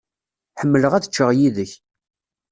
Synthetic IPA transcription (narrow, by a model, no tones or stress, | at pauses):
ħəmːələʁæðət͡ʃːəʁjiðəç